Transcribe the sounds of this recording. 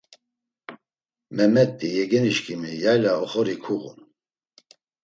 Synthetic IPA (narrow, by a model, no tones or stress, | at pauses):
mɛmɛt̪ʼːijɛɡɛniʃkʰimijajlaɔχɔɾikʰuɣṵn